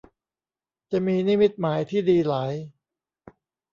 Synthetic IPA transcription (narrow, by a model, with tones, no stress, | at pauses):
t͡ɕa˨miː˧ni˦˥˩mi˦˥t̪̚maː˩˦jt̪ʰiː˥˩diː˧laː˩˦j